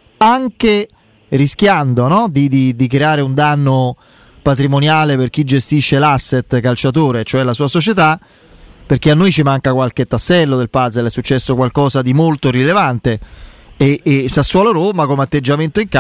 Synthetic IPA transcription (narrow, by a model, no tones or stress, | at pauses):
aŋke | risk̟jand̪onɔd̪id̪id̪ik̬ɾeaːɾeund̪anːo | pat̪ɾimonjaːleperk̟id͡ʒest̪iʃːelasːet̪kalt͡ʃat̪oːɾet͡ʃoɛlasuːasot͡ʃet̪a | perk̟eanːojt͡ʃimaŋkakwalk̟et̪ːasːɛlːod̪elpad̪zelɛsːut͡ʃːɛsːokwalkɔːsad̪imolt̪oɾilevant̪eeːsasːualoɾomakomeat̪ːed͡ʒːament̪oiŋka